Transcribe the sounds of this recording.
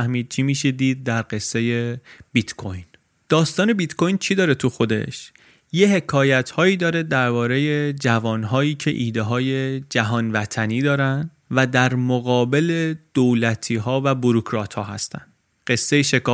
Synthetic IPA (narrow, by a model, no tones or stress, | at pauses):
æhmiːd̪̚t͡ʃʰimiːʃed̪iːd̪̚ːæɾɢe̞sːe̞je̞bit̪kʰojn | d̪̥ɒːst̪ɒːne̞bit̪kʰo̞jnt͡ʃʰid̪ɒːɾe̞t̪ʰuxo̞d̪e̞̰ʃ | jeɦe̞kʰɒːjæt̪ʰhɒːiːd̪ɒːɾe̞d̪æɾbɒːɾe̞je̞d͡ʒævɒːnɦɒːjiːcʰe̞̰ʔiːd̪eɦɒːje̞d͡ʒæɦɒːnvæt̪ʰæniːd̪ɒːɾænd̪ | væd̪æɾmoɣɒːbe̞led̪̥olæt̪ʰiːɦɒːvæbuɾokʰɾɒːt̪ʰhɒːɦæst̪æ̰nd̪̥ | ɢ̥e̞sːejeʃekɒː